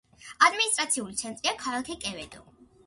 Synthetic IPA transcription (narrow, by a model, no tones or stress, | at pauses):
ad̪minist̪ʼɾat̪sʰiulit̪sʰɛnt̪ʼɾiakʰalakʰɛkʼɛvɛd̪ɔ̰